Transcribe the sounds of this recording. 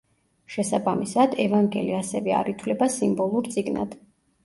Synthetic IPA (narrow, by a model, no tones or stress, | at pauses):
ʃɛsabamisad̪ɛvaŋɡɛliasɛvɛa̰ɾit̪ʰwlɛbasimbɔlˠuɾt̪sʼiɡna̰d̪̥